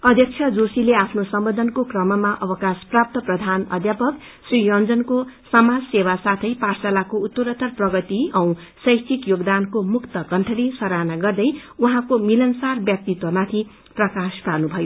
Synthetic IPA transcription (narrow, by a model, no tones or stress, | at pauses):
ʌd̪ʱjʌk̚t͡ʃʰjʌd͡zosileapʰnosʌmbʌd̪ʱʌnkokrʌmʌmaʔʌbʌkasprap̚t̪ʌprʌd̪ʱanʌ̰d̪japʌk | srijʌnd͡zʌnkosʌmad͡zsewasat̪ʰʌjparsalakout̪ːoɾʌt̪ʌrprʌɡʌt̪iʌw̃sʌjt͡sʰikjoɡd̪ankomukt̪ʌkʌnʈʰʌlisʌɾanaɡʌrd̪ʌjuɦãkomilʌnsarbjʌk̚t̪it̪wʌmat̪ʰi | prʌkaspanubʱʌjo